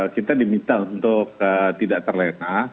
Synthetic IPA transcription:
kit̪adimint̪aunt̪ʊk̚ət̪idaʔt̪ərlena

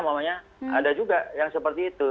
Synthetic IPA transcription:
mamaɲa | adad͡ʒuɡajaŋsəpərt̪iːt̪u

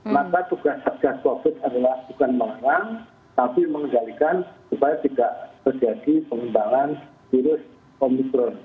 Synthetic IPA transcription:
makat̪uɡasat̪̚d͡ʒaskobɪt̪adalahb̪ukanməŋanaŋ | t̪apiməŋədalikansupajat̪idaʔt̪ərd͡ʒadipəŋəmbaŋan | fiɾʊs | ɔmikɾɔn

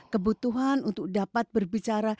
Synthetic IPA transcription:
kəbut̪uɦanunt̪ʊk̚dapat̪̚bərbit͡ʃaɾa

